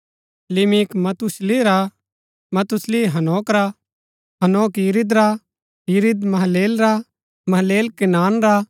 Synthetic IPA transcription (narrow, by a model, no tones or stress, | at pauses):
lɪmikmɐt̪ʊsliɾa | mɐt̪ʊsliɦɐnoːkɾa | ɦɐnoːkjiɾid̪ɾa | jiɾɪd̪mɐɦleːlɾa | mɐɦleːlkɪnaːnɾa